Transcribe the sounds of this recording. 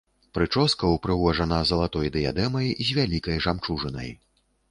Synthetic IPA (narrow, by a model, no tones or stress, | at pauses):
pɾɨt͡ʂɔskɐwpɾɨvɔʐɐnɐzɐlˠat̪ɔjd̪ɨja̰d̪ɛmɐjzʲvʲalʲikɐjʐamt͡ʂuʐɨnɐ̰j